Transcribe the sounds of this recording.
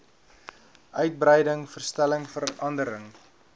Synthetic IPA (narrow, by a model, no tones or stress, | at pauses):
ʔœɥt̚brɛjdəŋfərstæləŋfəɾɐndəɾəŋ